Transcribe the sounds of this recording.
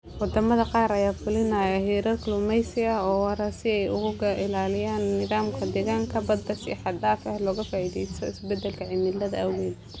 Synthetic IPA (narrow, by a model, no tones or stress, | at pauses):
wɑd̪ɐmɐðɐqɑːɾɐjaːfʊlɪnɐjɐɦiːɾɐrklʊmɛjsɪɐɔːwɑɾɐsɪɛjʊ̰ɣʊɣɐʔɪlaːlɪjaːnːɪðaːmkʰɐd̪ɛːɣaːŋkʰɐbɐd̪bɐsḭħɑd̪aːfɐhlɔːɣɐfaːʔiðɛjst̪ʰɔɪsbɛd̪ɛlkʰɐʕɪmɪlɐðɐɐwɛːd̪